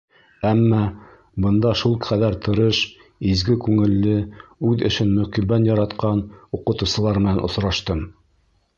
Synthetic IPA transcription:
æmːɑ | bɤ̆nd̪ɑʃulˠqæðæɾt̪ɤ̆ɾɤʃ | izɡɘkʉŋɘ̆lːɘʉðɘ̆ʃɘnmɵ̆kibænjɑɾɑt̪qɑnuqɤ̆t̪ŭwsɤ̆lˠɑɾmɘ̆nænʔŏ̰sɾɑʃt̪ɤm

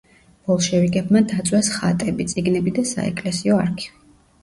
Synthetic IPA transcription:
b̥ɔlˠʃɛviɡʼɛbmad̪at̪sʼwɛsχa̰t̪ʼɛbit̪sʼiɡnɛbid̪asa̰ɛ̰kʼlɛsiɔaɾkʰi̥

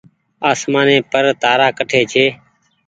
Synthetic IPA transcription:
aːsmaːnẽːpəɾt̪aːɾaːkəʈʰeːt͡ʃʰeː

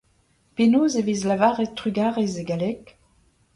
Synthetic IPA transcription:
penozevizlavaʁet̪ʁyɡaʁezeɡalɛk

